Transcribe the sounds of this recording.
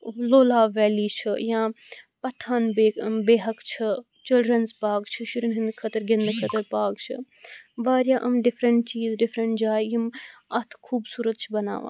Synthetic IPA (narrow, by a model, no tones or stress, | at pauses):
loːlaːʋɛːliːt͡ʃʰɨ̰jãː | pɐʈʰaːnbeːbeːɦɐkt͡ʃʰɨ | t͡ʃɪlɖɾɐnzpaːɡt͡ʃʰɨʃuɾinɦind̪kʰɐt̪əɾɡɪnd̪ɨkʰɐt̪əɾpaːɡt͡ʃʰɨ̰ | ʋaːɾjaːʔɐmɖɪfɾəɳʈt͡ʃiːzɖɪfɾɐɳʈd͡ʒaːjjimɐt̪ʰkʰuːbsuːɾət̪t͡ʃʰibɐna̰ːʋa̰ː